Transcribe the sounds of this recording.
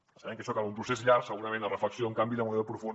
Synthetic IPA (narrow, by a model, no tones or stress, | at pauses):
səβɛŋkəʃɔkaβumpɾusesʎaɾksəɣuɾɐmẽnd̪ərəfləksjoəŋkambiðəmueðəpɾufu